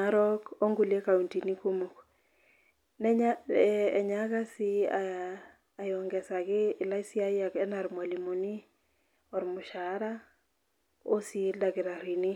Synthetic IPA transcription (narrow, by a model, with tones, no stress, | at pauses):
aɾɔ˦ko˦ŋɡu˨lje˦ka˨u˨nti˨ni˦ku˦mu˨k | nɛ˦ɲaɛ˨ɲa˦ka˦si˦aː˨ | jɔ˨ŋɡɛ˨sa˨kɪː˦˨la˦isi˦a˦jakɛ˦na˨ɾmwa˨li˨mo˨ni˦ | ɔ˨ɾmʊ˨ʃa˨˦ɾa˦ | o˦si˦lda˨kɪ˨ɾa˨ɾi˨ni˦